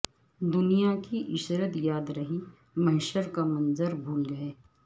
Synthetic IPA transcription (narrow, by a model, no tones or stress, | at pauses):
d̪ʊnijakiʔɪʃɾət̪jaːd̪ɾɐɦi | mɐɦɪʃəɾkamɐ̃nzəɾbʱuːld͡ʒaːeː